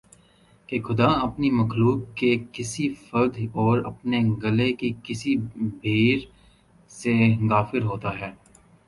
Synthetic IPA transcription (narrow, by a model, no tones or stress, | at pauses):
kexʊd̪aɐpnimɐxluːk̚kekɪsifɐɾd̪ɔːɾɐpneɡɐlekikɪsibʱeːɾ | seɡaːfɪɾɦoːt̪aɦɛː